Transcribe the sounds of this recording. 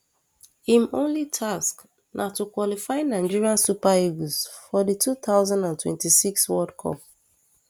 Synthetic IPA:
ĩmõnlitʰask | nʔatukwɔlifaɪnaɪd͡ʒiɹiãnsupaiɡuzfɔditʰut̪aʊzãndãntwɛ̰̃ntisikswɔdkʰɔ̰p̚

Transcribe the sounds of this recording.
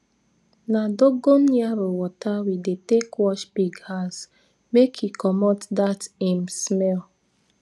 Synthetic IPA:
nadoɡonjaɾowɔtawidetekwɔʃbiɡhas | mekʰjikɔmɔtdatemsmɛl

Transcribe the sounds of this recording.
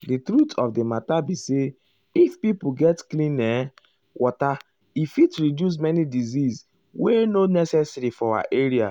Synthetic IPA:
ditɾutʰɔfdimatabise | ifpipuɡɛtklĩnɛ | wʔɔta | ifitɹidjus̬mɛnidizis | wenonɛsɛsɾifɔawa̰ʔeɾia̰

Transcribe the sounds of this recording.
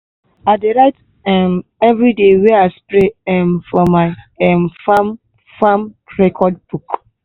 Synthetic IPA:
adeɾaɪt | ɛmɛvɾidewɛaspɹeɛmfɔmaɪ | ɛmfãm | fãmɹɛkʰɔd̚b̥uk

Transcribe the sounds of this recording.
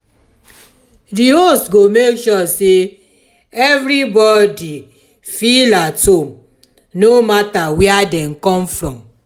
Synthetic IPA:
diosɡomekʃɔse | ɛvɾibɔdi | filatõm | nomatawɛadɛ̃mkɔ̃mfɹɔ̃m

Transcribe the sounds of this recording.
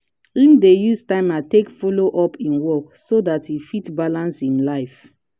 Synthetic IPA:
ĩndejustãɪ̃matekfɔloʔɔpʰĩnwɔksodatʰjifitbalãnsĩnlaɪf

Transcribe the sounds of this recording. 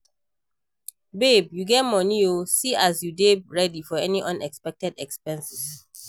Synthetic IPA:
bebjuɡɛt̚mɔniosiʔazjudebɹɛdifɔɛniʔʌ̃nɛkspɛk̚tɛdɛkspɛ̃nsɪs

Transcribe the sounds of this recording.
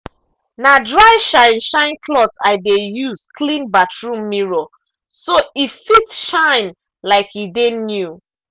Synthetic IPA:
nadɹaɪʃãɪ̃nʃãɪ̃nkʰlɔtaɪdejuskʰlĩnbatʰɹũmːiɹo | soifitʃãɪ̃n | laɪkidenju

